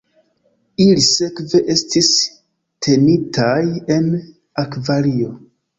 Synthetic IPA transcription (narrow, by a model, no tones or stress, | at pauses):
ilise̞kve̞ʔe̞stis | tʰe̞nitʰaje̞n | akvalio̞